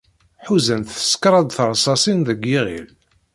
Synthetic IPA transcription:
ħuzənθə̥skɾˤɑd̪θəɾˤsˤɑsˤinðəɡːiʁḭl

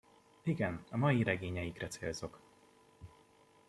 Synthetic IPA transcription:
iɡɛnɒmɒjiɾɛɡeːɲɛjikrɛt̪sḛːlzo̞k

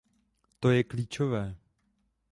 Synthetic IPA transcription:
t̪o̞jɛkliːt͡ʃo̞vɛː

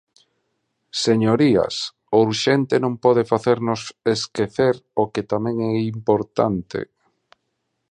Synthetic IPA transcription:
seɲoɾia̰s | ouɾʃent̪enõmpɔð̞efaθeɾnʊseskeθeɾoket̪amɛ̃ŋɛimpoɾt̪a̰nt̪ḛ

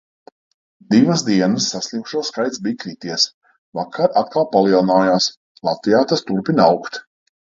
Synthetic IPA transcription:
d̪ivasd̪iɛnəsːasʲlʲimʃuɔskajt̪sbikɾit̪iɛs | vakʰːaɾat̪̚kalˠpalˠiɛlˠnaːjaːs | lˠat̪vijaːt̪ast̪uɾpʲinawkt̪

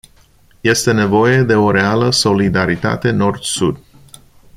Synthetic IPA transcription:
je̞st̪e̞ne̞vo̞je̞d̪e̞o̞ɾe̞aləso̞lid̪aɾit̪a̰t̪e̞no̞rd̪sud̪

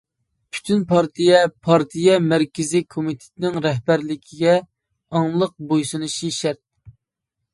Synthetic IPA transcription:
pʰy̥t̪ʰynpʰɑɾt̪ʰijɛpʰɑɾt̪ʰijɛmæɾkʲɪzikʰomit̪ʰɪ̥t̪ʰɪnɪŋɾɛɦbæɾlɪkʲʰiɡʲɛ | ɑŋlˠəq̚bojsɨnɨʃiʃæɾt̪̚

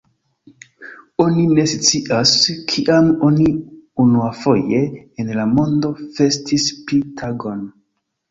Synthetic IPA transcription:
o̞nine̞sit͡siʔaskʰiʔamoniunuafo̞je̞enlamo̞ndo̞fe̞stʰispitʰaɡo̞n

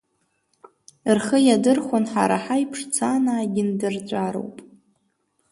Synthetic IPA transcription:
rχəjadɨrχʷonħa̰ɾa̰ħajpʰʂt͡sʰanaːɡʲɪndɨrt͡ɕʷʼaɾo̰wpʼ

